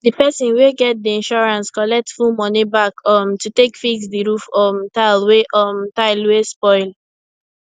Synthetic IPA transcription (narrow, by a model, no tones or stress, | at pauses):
dipɛsĩnweɡɛt̚diĩnʃɔɹãnskɔlɛk̚tfumɔnibakɔmtutekfiɡsdiɹufɔmtalweʔɔmtaɪlwespɔɪl